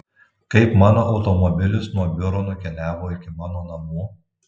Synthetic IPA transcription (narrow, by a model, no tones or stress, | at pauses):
kɐɪpmɑːnoːʔɒʊt̪ɔmɔbʲɪlʲʊsnuɔbʲʊɾonʊkʲɛlʲæːʋoːɪkʲɪmɑːnoːnɐmuː